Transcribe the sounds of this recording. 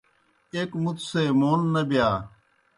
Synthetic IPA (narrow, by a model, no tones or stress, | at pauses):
eːkmʊt̪ʰseːmoːnːəbɪjaː